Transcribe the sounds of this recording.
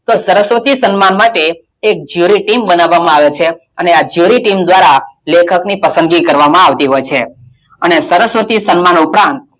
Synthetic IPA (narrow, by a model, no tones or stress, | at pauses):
t̪osəɾəsʋət̪isənmanmaʈeː | k̚d͡ʒjuɾiʈimbənaʋːamãaʋet͡ʃʰe | ənead͡ʒjuɾiʈimd̪ʋaɾalekʰəknipəsə̃nd̪ɡikəɾʋamãaʋt̪iɦojt͡ʃʰe | ənesəɾəsʋət̪isənmanupɾãnt̪̚